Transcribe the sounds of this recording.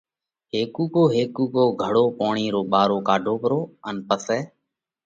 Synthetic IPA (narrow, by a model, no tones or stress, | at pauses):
ɦeːkuːkoːɦeːkuːkoːɡʱəɽoːpoːɳiːɾoːɓaːɾoːkaːɖʱoːpəɾoːənpəsɛː